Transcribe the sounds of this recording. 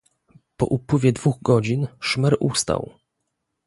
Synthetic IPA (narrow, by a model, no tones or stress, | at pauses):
pɔ̰ʔupwɘvʲjɛd̪vuɣɡɔd͡ʑinʂmɛɾʔust̪a̰w